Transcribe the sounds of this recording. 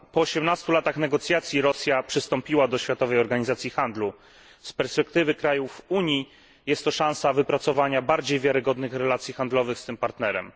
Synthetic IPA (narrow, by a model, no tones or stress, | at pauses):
pɔːɕɛmnast̪ulat̪axnɛɡɔt̪sʲjat̪sʲjiɾɔsʲjapʂɘst̪ɔmpʲiwad̪ɔɕfʲjat̪ɔvɛjɔɾɡaɲizat̪sʲjixand̪lu | spɛɾspɛk̚t̪ɘvɘkɾajufuɲi | jɛst̪ːɔʂãñsavɘpɾat̪sɔvaɲabaɾd͡ʑejvʲjaɾɘɡɔd̪nɘxɾɛlat̪sʲjixand̪lɔvɘxst̪ɘmpaɾt̪nɛɾɛ̰m